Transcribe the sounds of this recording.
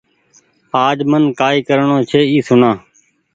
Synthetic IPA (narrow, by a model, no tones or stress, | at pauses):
aːd͡ʒmənkaːiːkəɾɳõːt͡ʃʰeːiːsʊɳãː